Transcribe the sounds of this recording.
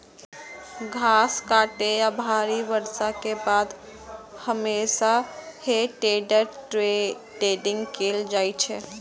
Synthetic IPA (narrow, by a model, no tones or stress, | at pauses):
ɡʱaskaʈejabʱaɾiʋəɾsakebad̪ | həmesaheʈeɖəɾ | ʈeɖɪ̃ŋɡkeld͡ʒajt͡ʃʰɛ